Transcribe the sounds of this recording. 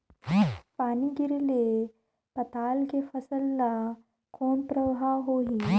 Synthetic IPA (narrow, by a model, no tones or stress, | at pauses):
paːniɡɪɾle | pɐt̪aːlkefəsəlːa | koːnpɾəbɦaːwɦoːɦiː